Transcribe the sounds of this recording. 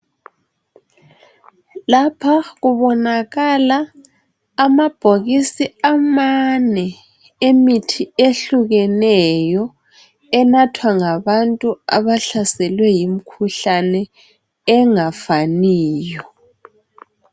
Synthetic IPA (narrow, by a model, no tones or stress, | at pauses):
lapʰaɣuβɔnaɣalaː | mab̥ʱoɣisiamanɛ | emitʰieɬuɣɛnɛjɔ | ɛnatʰwaŋaβantʼuaβaɬasɛlwɛjim̩kʰuɬanɛ | ɛŋafaniːjɔ